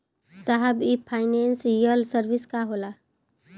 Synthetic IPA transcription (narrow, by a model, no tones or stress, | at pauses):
saɦəbipʰaːɪnensijəlsəɾʋiskaɦoːla